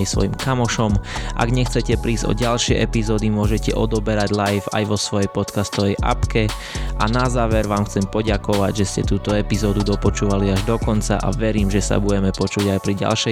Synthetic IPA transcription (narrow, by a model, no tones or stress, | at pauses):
sʋɔ̰jimkamɔʃɔmʔa̰ɡɲɛxt͡sɛcɛpɾiːzɟɔ̰ɟalʃɪɛʔɛpizɔːd̪imʊɔʒɛcɛʔɔd̪ɔbɛɾaɟlajfa̰jʋɔsʋɔjɛjpɔt̪kast̪ɔʋɛjʔa̰pkɛ | ʔanazaːʋɛɾʋaːmxt͡sɛmpɔɟakɔʋaɟʒɛscɛt̪uːt̪ɔɛpizɔːd̪ud̪ɔpɔt͡ʃuːʋaliaʒd̪ɔkɔnt͡sa̰ʔa̰ʋɛɾiːmʒɛsa̰buɟɛmɛpɔt͡ʃuɟajpɾiɟa̰lʃɛ